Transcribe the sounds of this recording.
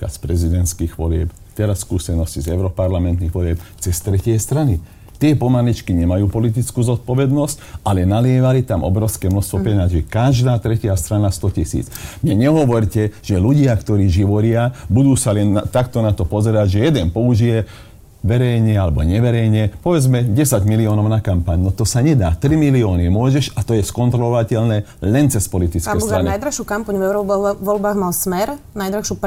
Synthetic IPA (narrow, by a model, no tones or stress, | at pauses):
a̰spɾɛzid̪ɛnt̪skiːɣʋɔlɪɛ̰p | t̪ɛɾasːkuːsɛnɔscizɛʊɾɔpaɾlamɛnt̪niɣʋɔlɪɛp̚t͡sɛst̪ɾɛcɪɛst̪ɾani | t̪ɪɛpɔmalit͡ʃkiɲɛmajuːpɔlit̪̬it͡skuːzɔt̪̚pɔʋɛd̪nɔscʔalɛnalɪɛʋalit̪amʔɔ̰bɾɔʊskɛːmnɔst̪ʋɔpɾɛnazikaʒd̪aːt̪ɾɛcɪast̪ɾanast̪ɔcisḭːt͡smɲɛɲɛɦɔʋɔɾcɛʒ̥ɛluɟɪakt̪ɔɾiːʒiʋɔɾɪabud̪uːsalɛnt̪akt̪ɔnat̪ɔpɔzɛɾaɟʒɛjɛd̪ɛnpɔuʒijɛ | ʋɛɾɛjɲɛalɛbɔ̰ɲɛʋɛɾɛjɲɛpɔʋɛd͡zmɛɟɛsaɟmiliɔːnɔʊnakampaɲnɔt̪ɔsaɲɛd̪aːt̪ɾimiliɔːnimʊɔʒɛʃat̪ɔjɛskɔnt̪ɾɔlɔʋacɛlnɛːlɛnt͡sɛspɔlit̪it͡skɛːst̪ɾaniajd̪ɾaʃukampaɲvɛʊɾɔʋɔlbaːɣmalsmɛɾnajd̪ɾaʃup